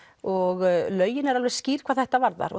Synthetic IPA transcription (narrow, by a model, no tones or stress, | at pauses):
ɔɣlœːɥjɪnɛɾalvɛɾ̥sciːɾ̥kʰvaðθɛht̪avaɾða̰ɾɔ̰